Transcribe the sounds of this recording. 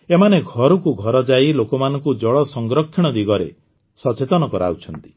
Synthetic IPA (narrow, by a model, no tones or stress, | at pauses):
emaneɡʱɔɾɔkuɡʱɔɾɔd͡ʒailokɔmanɔŋkud͡ʒɔɭɔsɔŋɡɾɔkʰːiɽ̃ɔd̪iɡɔɾḛ | sɔt͡ʃet̪ɔnɔkɔɾa̰ut͡ʃʰɔnt̪i̥